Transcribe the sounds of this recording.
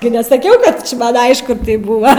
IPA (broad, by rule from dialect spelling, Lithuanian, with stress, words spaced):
ɡʲɪ nʲɛsɐˈkʲɛʊ ˈkɐt t͡ʃʲɪ ˈmɐnʲ ˈɐɪʃkʊ ˈtɐɪp ˈbʊʋɐ